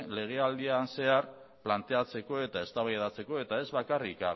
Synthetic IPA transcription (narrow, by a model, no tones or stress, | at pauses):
le̞ɣ̞e̞ald̪ianse̞aɾ | plant̪e̞at͡se̞ko̞e̞t̪ae̞st̪aβajðat͡se̞ko̞e̞t̪ae̞zβakarika